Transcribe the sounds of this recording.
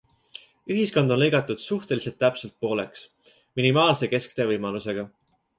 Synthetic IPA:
yɦisko̞nd̪onlɤ̞jɡɑt̪ːˑud̪̥suht̪e̞lise̞lt̪ːæpse̞lt̪̚po̞ːle̞ks | minimɑːlse̞ke̞skt̪e̞vɤjmɑluse̞ɡ̥ɑ

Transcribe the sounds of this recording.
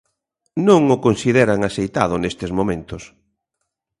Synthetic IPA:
nõŋʊkonsiðɛɾaŋasejt̪aðʊnest̪ezmomẽnt̪ʊs

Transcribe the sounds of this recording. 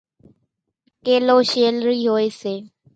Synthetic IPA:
keːloːʃeːlɾiːɦoːeːseː

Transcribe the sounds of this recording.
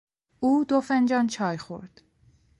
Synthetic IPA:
uːd̪ofend͡ʒɒnt͡ʃʰɒːjxo̰ɾd̪̥

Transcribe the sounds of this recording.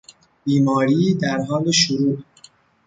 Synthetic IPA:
biːmɒːɾiːd̪æɾɦɒːleʃoɾuː

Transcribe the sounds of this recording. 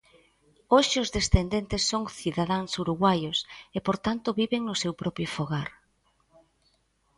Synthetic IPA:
oʃɪʊzðesθend̪ent̪esːoŋθiðaðaŋsuɾuɣwajʊsepoɾt̪ant̪ʊβiβeŋnʊsewpɾɔpɾjʊfoɣaɾ

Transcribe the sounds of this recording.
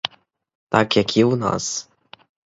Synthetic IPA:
t̪akjakʰʲiuna̰s

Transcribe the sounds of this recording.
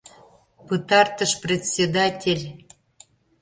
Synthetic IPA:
pɨt̪ɑrt̪əʃprʲet̪ʲsʲed̪ɑtʲelʲ

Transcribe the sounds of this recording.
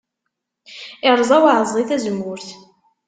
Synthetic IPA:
ɪʁɾˤzˤæwaʕəzˤʁiθæzəmʊɾθ

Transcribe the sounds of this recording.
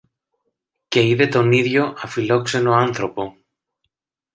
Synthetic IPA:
ce̞iðe̞t̪o̞niðʝo̞ʔɐfilo̞kse̞no̞ɐnθɾo̞po̞

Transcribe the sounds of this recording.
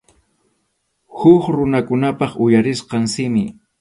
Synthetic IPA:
xʊkɾʊnakʊnapɑχʊjaɾɪsqɑŋsɪmɪ

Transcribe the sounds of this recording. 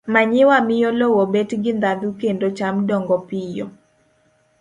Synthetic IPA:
maɲɪwamɪjɔlowobetɡɪnd̪ad̪ukendot͡ʃamdɔŋɡɔpɪjɔ̰

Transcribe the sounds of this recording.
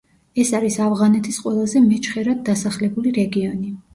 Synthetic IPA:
ɛsaɾisavʁanɛt̪ʰisqʼwɛlˠazɛmɛt͡ʃʰχɛɾad̪̚ːasaχlɛbuliɾɛɡiɔni

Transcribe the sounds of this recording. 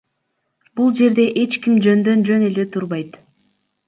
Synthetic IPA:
b̥ulˠd͡ʒe̞ɾd̪e̞ʔe̞t͡ʃkimd͡ʒø̞nd̪ø̞nd͡ʒø̞ne̞le̞t̪ʰuɾβɑjt̪

